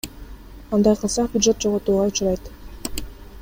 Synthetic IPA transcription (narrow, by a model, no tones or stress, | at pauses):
ɑnd̪ɑjqʰɯlˠsɑqbʲʊdʐe̞t̪̚d͡ʒoʁot̪uːʁɑʊt͡ʃuɾɑjt̪